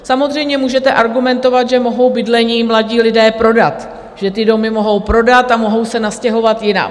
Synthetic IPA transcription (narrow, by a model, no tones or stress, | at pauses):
samozr̝ɛjmɲɛmuːʒɛt̪ɛʔaɾɡumɛnt̪o̞vat̪ʒɛmo̞ɦo̞wbɪdlɛɲiːmlaɟiːlɪdɛːpɾo̞dat̪ | ʒ̥ɛt̪ɪdo̞mɪmo̞ɦo̞wpɾo̞dat̪amo̞ɦo̞wsɛnascɛɦo̞vat̪jɪna̰